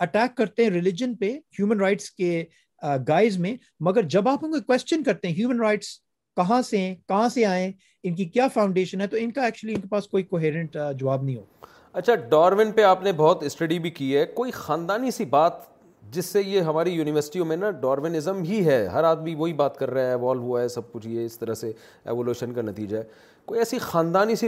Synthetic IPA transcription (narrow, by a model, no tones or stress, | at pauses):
ɐʈɛːkːɐɾt̪ẽɦɛ̃ɾɪlɪd͡ʒənpehjuːmənɾaɪʈske | ɡaːɪzmẽ | mɐɡəɾd͡ʒɐbaːpʊnkokwɛst͡ʃənkɐɾt̪ẽɦɛ̃ɦjuːmə̃nɾaɪʈs | kɐɦãseɦɛ̃kɐɦãseaːẽ | ɪnk̬ikjaːfãːʊ̃ɳɖeːʃənɦɛt̪oɪnkaɛːk̚t͡ʃuəliɪnkepaːskoːikoːɦeːɾə̃ɳʈd͡ʒɐʋaːbnɐɦĩɦo̰ː | ɐtːʃʰaɖɔːɾʋɪnpeaːpnebɔːt̪ɪsʈɐɖibʱikiɦɛkoːixãːnd̪aːnisibaːt̪ | d͡ʒɪsːejeɦɐmaːɾijuːnɪʋəɾsɪ̥ʈiomẽnaɖɔːɾʋɪnɪzəmɦiɦɛːɦɐɾaːd̪mĩʋoɦibaːt̪kɐɾːɐaɦɛʋɔːlɦuaɦɛsɐb̚kʊt͡ʃʰieɪst̪ɐɾəɦse | ɛ̰ːʋoːluːʃənkanɐt̪iːd͡ʒaɦɛː | koːiɛːsixãːnd̪aːnisi